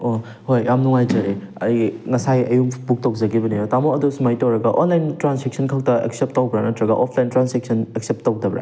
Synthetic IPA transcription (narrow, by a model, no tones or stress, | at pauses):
o | hojamnuŋajd͡ʒɐɾe | ɐjŋɐsajɐjukbuk̚tok̚zɐɡibɐnijotamoɐdusumajtowɾɐɡɐʔonlajntɾansek̚sʰɐnkʰak̚tɐḛk̚sep̚tːawbɾanɐtɾɐɡɐʔɔpʰlajntɾansek̚sʰɐnek̚sep̚tːaw̚dɐbɾa̰